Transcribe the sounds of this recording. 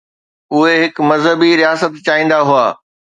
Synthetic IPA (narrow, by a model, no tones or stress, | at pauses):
ʊɦeɦɪkmɐzɦəbiɾijaːsət̪t͡ɕaːĩːnd̪aɦuaː